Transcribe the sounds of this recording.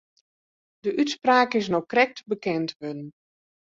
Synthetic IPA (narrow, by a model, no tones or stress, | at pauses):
dəʔytspraːkɪs̬nɔkrɛk̚tbəkɛntʋødn